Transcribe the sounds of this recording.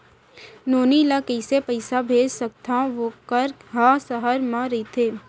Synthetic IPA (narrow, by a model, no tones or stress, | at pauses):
noːnilakəɪsepəɪsabʱeːd͡ʒsək̚t̪ãʋokəɾɦãːsəɦəɾmãɾit̪ʰeː